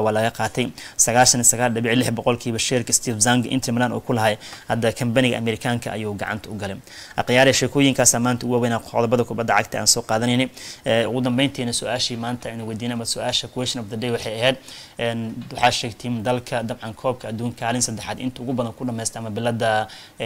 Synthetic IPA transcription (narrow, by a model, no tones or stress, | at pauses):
wɑːlɐɣɐqɑːt̪ʰɛjsɐɣaːlʃɐnisɐɣaːlɖɐβɪʕilɪħbɔqɔlkʰiːβɐʃɛːrkʰɐst̪ʰiːfzaŋɡʔɪ̰nt̪ʰmlanɔ̰ːkʰʊlɐɦɐjhɐd̪ɐkʰɐmbɐnɪɣɐ̰ʔɐ̰mɛɾɪkʰaːŋkʰɐ̰ʔɐ̰juːɡɑ̰ʕɑ̰nt̪ʰɐʊɡɐlɪnʔɐ̰qjaːɾɛjʃɛːkʰɔːjɪŋkʰaːsaːmaːnt̪ʰɐʊɣʊɐwɛjnaːqɔ̰ðɐbɐðɐkʰʊbɐd̪ːɐʕɑ̰ɡ̚t̪ʰɐʔa̰ːnsɔːqɑːðɐnɛjnɪɛʊɣʊd̪ɐmbɛjnt̪ʰɛːnɐsʊʔaːʃiːmaːnt̪ʰɐɪnʊwɛjd̪iːnmɐsɔʔaːʃɐkʰuwɛːʃɪnɔfd̪ɐdɛjwɑħɑjɐɦɛːd̪̚ʔɛnwɑħɑːʃɛːɡt̪ʰiːmd̪ɐlkʰɐd̪ɐbʕɑnkʰɔːb̚kʰɐɐd̪uːŋkʰaːlɪnsɐd̪ɛħaːd̪ɪ̰nt̪ʰɐʊɣʊbɐðɐŋkʰʊɖɐmɛːjst̪ɛɐmɐbɪlɐd̪ɐ